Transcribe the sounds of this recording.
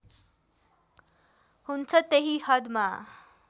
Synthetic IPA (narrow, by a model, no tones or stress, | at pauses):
hunt͡sʰʌt̪eɦihʌd̪ma